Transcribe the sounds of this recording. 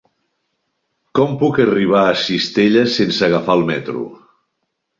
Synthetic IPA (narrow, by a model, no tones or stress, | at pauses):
kɔmpukəriβ̞aːsist̪eʎəsensəːɣafaəlˠmɛt̪ɾṵ